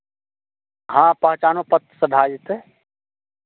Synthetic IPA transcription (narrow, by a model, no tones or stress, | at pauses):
hãpəɦt͡ʃaːnopət̪ːsəɖʱaːd͡ʒit̪e